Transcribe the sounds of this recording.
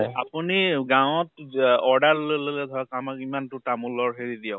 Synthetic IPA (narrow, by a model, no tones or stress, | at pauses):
a̰puniɡãw̃ɔtɔɹdaɹlolelɛdʱɔakamakimantʊtamulɔɹɦeɹidijã